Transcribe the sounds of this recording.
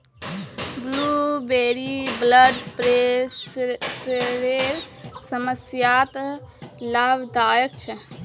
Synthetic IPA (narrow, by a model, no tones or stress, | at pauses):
blubeːɾibləɖpɾe | sɾeɾsəməsjat̪ | labd̪aːjək̚t͡ʃʰɛ